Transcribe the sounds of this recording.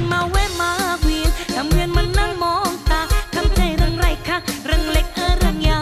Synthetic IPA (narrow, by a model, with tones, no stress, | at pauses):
nma˧˩wwɛː˧˩maː˧wi˧˩nt̪ʰa˨˧˥mŋɯ˧ənma˧˥nːaː˧˥˩ŋmɔː˧˦ŋt̪aː˨˧˩k̪ʰa˧˩mt͡ɕa˧˩jɾa˧ŋɾa˧˩jkʰa˧˥˩k̚ɾa˧˩ŋle˧˥k̚ʔəː˧˩ɾa˧˩ŋjaː˧